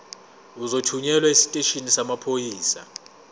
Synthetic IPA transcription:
uzotʰuɲɛlwaesi̥tʼeʃinisamapʰojiːsa

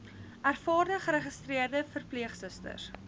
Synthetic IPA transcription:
ærfɑːrdəχəɾəχəstriərdəfərpliəχsəstə̰r

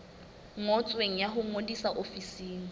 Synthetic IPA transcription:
ŋɔt͡sʼweŋ̩jaɦʊŋodisaʔofisiːŋ̩

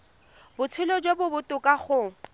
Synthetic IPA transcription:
bʊt͡sʰʊlɔd͡ʒwobʊbʊtʼʊkʼaχʊ

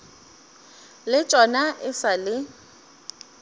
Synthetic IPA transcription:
lɪt͡ʃʼɔnaʔɪsalɪ

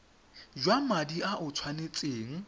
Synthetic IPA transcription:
d͡ʒwamadiʔaʔʊt͡sʰwanet͡sʼeːŋ̩

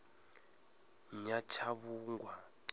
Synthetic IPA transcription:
ɲat͡ʃʰaβuŋɡwa

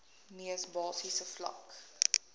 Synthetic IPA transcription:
niəsbɑːsisəflɐ̰k

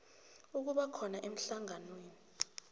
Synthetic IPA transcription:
uk̬uɓakʰɔnaʔem̩ɬaŋanweːni

